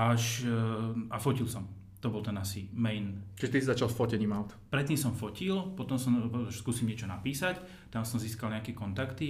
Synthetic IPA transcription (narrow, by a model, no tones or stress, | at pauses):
aʃ | afɔcilsɔm | t̪ɔbɔlt̪ɛnasimɛjnt͡ʃiʒɛt̪isizat͡ʃalˠsfɔcɛɲiːmaʊt̪pɾɛt̪̚ːiːmsɔmfɔcilpɔt̪ɔmsɔmʃskuːsimɲɪɛt͡ʃɔnapiːsac | t̪amsɔmziːskalɲakɛkɔnt̪akt̪i